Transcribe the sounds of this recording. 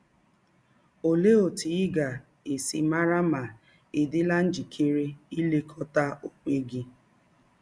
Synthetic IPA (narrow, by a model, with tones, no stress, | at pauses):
o˨le˦o˨ti˨ɪ˦ɡa˨ | e˨si˨ma˦ɾa˦ma˨ | ɪ˨dɪ˦la˦n̩˦d͡ʒi˨kʰe˦ɾe˦i˦le˦kʰɔ˦ta˦o˨k͡pe˦ɡi˦